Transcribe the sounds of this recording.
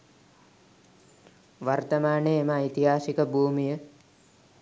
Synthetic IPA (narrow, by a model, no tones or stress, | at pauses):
ʋart̪ɐmaːneemait̪iɦaːsikəbʱuːmijə